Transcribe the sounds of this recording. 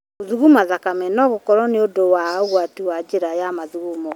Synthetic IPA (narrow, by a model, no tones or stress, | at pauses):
oðuɣumaðakamɛnɔɣokɔɾɔneodowaoɣwatiwad͡ʒeɾajamaðuɣumɔ